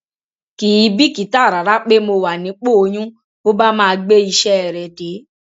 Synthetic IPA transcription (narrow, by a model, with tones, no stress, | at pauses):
ki˨˦˨bi˦ki˨˦ta˦˨ɾa˨ɾa˦k͡pe˦mo˧wa˨nĩ˨˦k͡po˦o˧jũ˦ | o˦ba˦mãː˦˧ɡ͡be˦i˧ʃɛ˦ɛ˨ɾɛ˨de˨˦